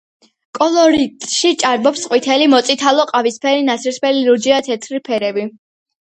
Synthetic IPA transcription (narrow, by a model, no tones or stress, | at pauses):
kʼɔlɔɾit̪ʼʃit͡ʃʼaɾbɔpsqʼwit̪ʰɛlimɔt̪sʼit̪ʰalˠɔqʼavispʰɛɾinasʰiɾspʰɛliɾud͡ʒiat̪ʰɛt̪ʰɾipʰɛɾɛbi